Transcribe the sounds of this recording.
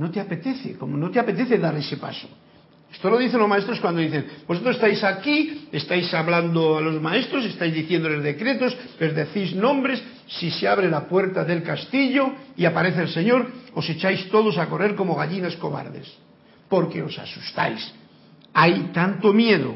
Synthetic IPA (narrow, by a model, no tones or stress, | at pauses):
no̞t̪eape̞t̪e̞θekomono̞t̪eape̞t̪e̞θe̞ðaɾe̞se̞pa̰so̞̥ | e̥st̪ono̞ðiθe̞nlomae̞st̪ɾoskwand̪o̞ðiθeŋbosot̪ɾosest̪ajsakiest̪ajsaβland̪oalo̞zmae̞st̪ɾo̞se̞st̪ajzðiθjend̪ole̞zðe̞kɾe̞t̪o̞sle̞zðeθiznõ̞mbɾe̞sː | iseaβɾe̞lapwe̞ɾt̪aðe̞lkast̪iʎo̞iapaɾe̞θelse̞ɲo̞ɾo̞se̞t͡ʃajst̪o̞ðo̞sako̞re̞ɾko̞mo̞ɣ̞aʎinasko̞βa̰ɾðe̞̰s | po̞ɾke̞o̞sa̰su̥st̪a̰js | ajt̪ant̪o̞mje̞ðo̰